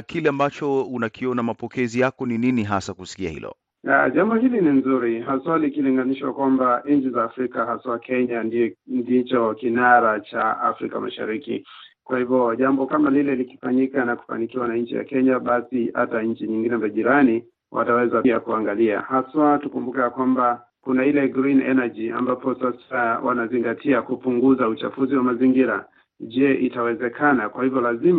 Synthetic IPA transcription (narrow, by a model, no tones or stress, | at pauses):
kilɛambat͡ʃɔunakʰiɔnamapɔkɛzijakɔnininiɦasakusi̥kia̰hḭlɔ̰ | a̰ʄambɔhilininzuɾiɦaswalikiliŋɡaniʃwa̰kwambaɲ̩t͡ʃizaːfɾikahaswakɛɲanindit͡ʃɔkinaɾat͡ʃaa̰fɾika̰ma̰ʃa̰ɾikḭ | kwahivjɔʄambɔkamalilɛliki̥faɲikanaku̥fa̰nikiwanaɲ̩t͡ʃḭja̰kɛɲaɓasiha̰taɲ̩t͡ʃiɲiŋɡinɛmaʄiɾani | wʔa̰tawɛzaakuaŋɡalia̰haswatukumbukɛakwamba | kunailɛɡɾinɛ̰nad͡ʒia̰mbapɔsasawʔa̰naziŋɡatʰiakupuŋɡuzaut͡ʃa̰fuziwamaziŋɡiɾa̰ | ʄɛʔitawɛzɛkʰanakwahivɔlazim